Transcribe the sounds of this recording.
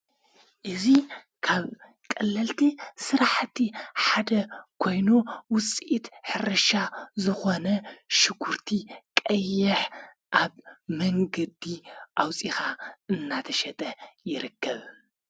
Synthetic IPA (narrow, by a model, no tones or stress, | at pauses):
ʔɨzi | kʰaβ | kʼɐlːɐlt̪ʰisɨɾaħt̪ʰːiħad̪ɐkʰo̞jnuwʊt͡sʼʔit̪ħɨɾɐʃazɨxo̞nɐʃɪɡuɾt̪ʰikʼɐjːɪħ | ʔaβmɐŋɡɐd̪iʔawt͡sʼixaɨnːat̪ʰɐʃɛt̪ʼɐjɪɾɨkːɐβ